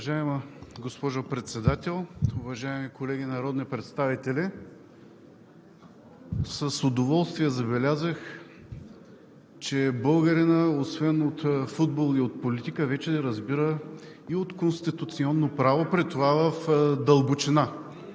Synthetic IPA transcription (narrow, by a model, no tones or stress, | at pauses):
vɐʒaɛməɡospɔʒʊpɾɛt̪sɛd̪at̪ɛlˠʊvɐʒaɛmikolɛɡʲinɐɾɔd̪nipɾɛt̪st̪avit̪ɛlɛ | səsod̪ovɔlˠst̪viɛzɐbɛlʲazəx | t͡ʃɛbɤlˠɡɐɾinəosvɛnot̪fud̪bolˠiot̪̚polit̪ikəvɛt͡ʃɛd̪ɛɾɐzbiɾə | iot̪konst̪it̪ut̪siɔnːopɾavopɾɛt̪ovavəfd̪ɐlˠbʊt͡ʃina